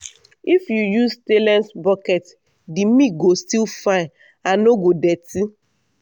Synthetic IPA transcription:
ifjujustelɛ̃nsbɔkɛt | dimiɡostilfa | anoɡodɛti

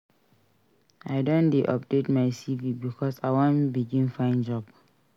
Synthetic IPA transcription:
aɪdõndeʔɔp̚detmaɪsivibikʰɔsaɪwɔ̃nbiɡĩnfãɪ̃nd͡ʒɔb

